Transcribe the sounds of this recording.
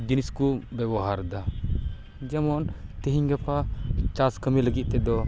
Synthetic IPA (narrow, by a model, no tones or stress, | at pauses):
d͡ʒiniskubɛbɔɦaɾd̪a | d͡ʒɛmɔnt̪ɛɦiɲɡɛpat͡ʃaskəmiləɡit̪̚t̪ɛd̪ɔ